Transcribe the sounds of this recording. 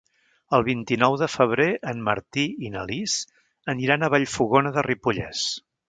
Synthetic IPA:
əlˠβ̞int̪inɔwðəfəβ̞ɾeʔənmə̰ɾt̪iinəliz | əniɾanəβ̞aʎfuɣonəðəripuʎɛ̰s

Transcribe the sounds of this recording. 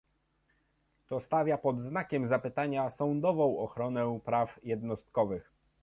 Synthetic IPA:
t̪ɔst̪avʲjapɔd̪znakʲɛmzapɘt̪aɲasɔwnd̪ɔvɔ̃w̃ɔxɾɔnɛpɾafjɛd̪nɔst̪̚kɔvɘx

